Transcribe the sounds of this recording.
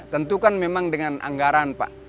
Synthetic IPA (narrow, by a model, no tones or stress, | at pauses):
t̪ənt̪ukanmemaŋdəŋana̰ŋɡaɾanpa̰ʔ